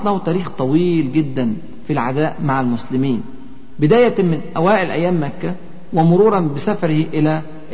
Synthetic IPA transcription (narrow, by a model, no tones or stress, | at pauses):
t̪ˤlæhut̪æːɾiːxt̪ˤɑwiːlɡɪd̪ːæn | filʕad̪æːʔmaʕalmʊslɪmiːn | bɪd̪æːjæmɪnʔæwæːʔɪlʔæ̰jːæːmːækːæ | wɪmʊɾuːɾˤɑnbɪsæfɑɾɪhiʔɪlæ